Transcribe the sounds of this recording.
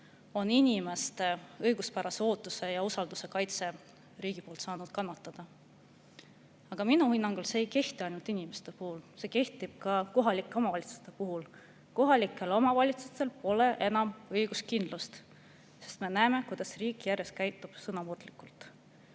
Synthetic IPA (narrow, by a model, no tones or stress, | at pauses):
o̞ninʲime̞st̪e̞ɤjɡ̥uspæɾɑseo̞ːt̪ːˑuse̞jɑusɑld̪̥use̞kɑjt̪se̞ | riːɡ̥ipolt̪sɑːnud̪̥kɑnːɑt̪ːˑɑd̪̥ɑ | ɑɡ̥ɑminuhinːɑŋɡ̥ulseːjke̞ht̪iɑjnult̪inimest̪e̞puhulse̞ːke̞ht̪ib̥̚kɑko̞ɦɑlikːˑeo̞mɑvɑlʲit̪su̥st̪e̞puɦul | ko̞ɦɑlikːˑe̞lo̞mɑvɑlʲit̪sut̪e̞lpo̞le̞ʔe̞nɑmɤjɡ̥uskind̪lust̪ | sest̪me̞næeme̞kujd̪̥ɑsriːkːˑjærje̞st̪̚kæjt̪ːˑub̥sɤnɑmurd̪̥likːˑult̪ˑ